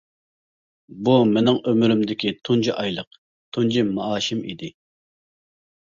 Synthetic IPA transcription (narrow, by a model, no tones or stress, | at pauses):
bumɪnɪŋʔømyɾymd̪ɪkʲit̪ʰund͡ʒiʔɑjlˠəq | t̪ʰund͡ʒimɑɑːʃimḭd̪ɪ